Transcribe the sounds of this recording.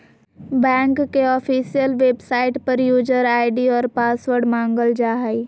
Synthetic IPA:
bɛ̃ːŋkːeɔfʰiːsijəlʋeːbsaːɪʈpəɾjuːd͡ʒəɾaːɪɖiɔːɾpaːsʋəɾɖmãːŋɡəld͡ʒaːɦai

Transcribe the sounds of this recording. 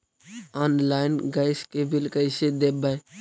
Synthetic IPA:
ɔːnlaːɪnɡaɪskeːbɪlkəɪseːd̪eːbəj

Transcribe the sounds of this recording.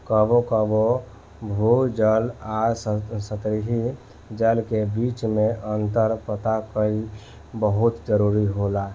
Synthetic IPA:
kəbokəbo | bʱud͡ʒəlassət̪ɾiɦi | d͡ʒəlkebit͡ʃmẽʔənt̪əɾpət̪akəi | bəɦut̪d͡ʒəɾuɾiɦola

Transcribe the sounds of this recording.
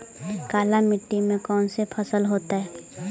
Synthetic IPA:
kaːlamɪʈːimẽkɔːnsepʰəsəlɦoːt̪aɦɛː

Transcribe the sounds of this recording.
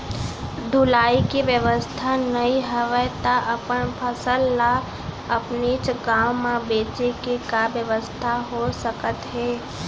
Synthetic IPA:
d̪ʱʊlaːikiʋjəʋəst̪ʰanəɦĩɦəʋət̪aʔəpənpʰəsəlːa | əpnit͡ʃɡaːwmãbeːt͡ʃekikabjəʋəst̪ʰaɦosəkət̪ɦɛː

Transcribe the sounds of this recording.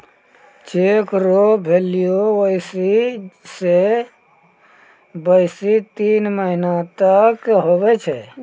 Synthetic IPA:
t͡ʃeːkɾobʱelijoʋəɪsise | bəɪsit̪iːnməɦinat̪əkɦobɛt͡ʃʰɛː

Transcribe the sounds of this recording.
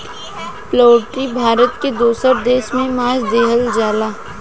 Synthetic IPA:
ploːʈibʱaːɾət̪ked̪oːsəɾd̪eːʃmẽmaːd͡ʒd̪eːɦəld͡ʒaːlaː

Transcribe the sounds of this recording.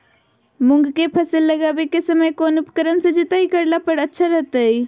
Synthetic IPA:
mʊ̃ŋɡkepʰɐsəlːəɡaːbekesəməjkoːnʊpkəɾənsed͡ʒɪt̪aɦikəɾlapəɾətːʃʰaɾɐɦt̪ai

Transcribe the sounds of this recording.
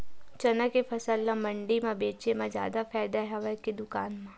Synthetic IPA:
t͡ʃɐnəkefʰɐsəlːãmɐ̃ɳɖimãbeːt͡ʃemãd͡ʒja̰ːd̪afʰɛːd̪aɦɛʋaked̪ʊkaːnmã

